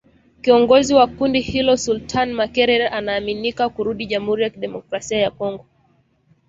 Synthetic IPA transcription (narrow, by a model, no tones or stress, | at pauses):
kiɔŋɡɔziwakundihilɔsultʰanmakɛɾɛɾanaːminikakuɾuɗiʄam̩huɾijakiɗɛmɔkɾasiajakɔŋɡɔ